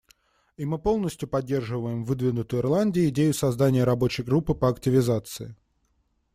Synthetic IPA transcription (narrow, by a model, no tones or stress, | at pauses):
imɨpo̞lˠnəsʲtʲjʊpɐdʲːe̞rʐɨvəjɪmvɨd̪vʲɪnʊt̪ʊjɪrlˠanʲdʲɪʊɪdʲejʊsɐzd̪anʲɪjəɾɐbo̞t͡ɕɪjɡɾupːɨpəɐktʲɪvʲɪzat̪sɨ̰ɪ